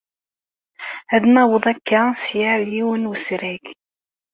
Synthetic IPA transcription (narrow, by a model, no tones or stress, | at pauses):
hæðmæwəðˤækːasjaʕliwənwəsɾæk